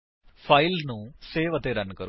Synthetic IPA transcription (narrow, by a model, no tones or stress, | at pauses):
fʰɐjlnuseːʋɐt̪eːɾɐnːkɐɾ